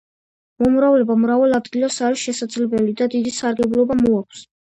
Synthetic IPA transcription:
mɔmɾavlɛbamɾavɛlˠad̪ɡilasaɾisʃɛsad̪zlɛbɛlid̪ad̪id̪isaɾɡɛblˠɔbamɔakʷʰs

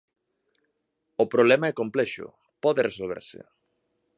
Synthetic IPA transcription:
opɾoβlɛmaɛkomplɛʃʊ̰ | pɔðeresolβ̞ḛɾsḛ

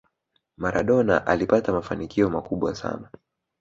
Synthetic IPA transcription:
maɾʔaɗɔna̰ʔalipatamafanikʰiɔmakuɓwasa̰na

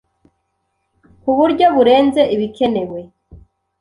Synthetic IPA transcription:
kuβuɾɟo̞βuɾe̞ːnze̞ʔiβikʰe̞ne̞we̞

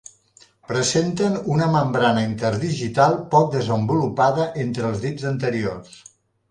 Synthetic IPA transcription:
pɾəzent̪ənunəməmbɾanəint̪əɾðiʒit̪alˠpɔk̚d̪əzəmbulupaðəʔent̪ɾəlˠzðizənt̪əɾiors

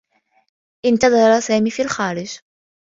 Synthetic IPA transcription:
ʔɪnt̪ɑðˤɑɾˤɑsaːmiːfilxaːɾɪd͡ʒ

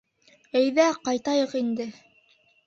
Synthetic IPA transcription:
æjðæqɑjt̪ɑjɤqind̪ɘ

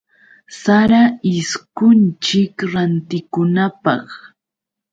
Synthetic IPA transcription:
saɾaɪskʊnt͡ʃɪkɾant̪ɪkʊnapɑ̰χ

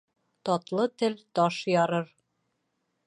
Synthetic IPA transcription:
t̪ɒt̪lˠɤt̪ɘlt̪ɒʃjɒɾɤɾ

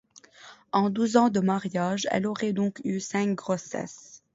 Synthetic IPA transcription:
ɑ̃d̪uzɑ̃d̪əmaʁjaːʒɛ̰lɔʁɛd̪ɔ̃kysɛ̃k̚ɡʁosɛ̰s

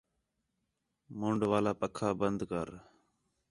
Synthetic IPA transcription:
moːɳɖʋaːlaːpəkʰːaːbənd̪kəɾ

